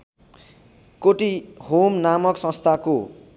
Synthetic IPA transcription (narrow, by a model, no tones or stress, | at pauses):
koʈihomnamʌksʌ̃st̪ʰako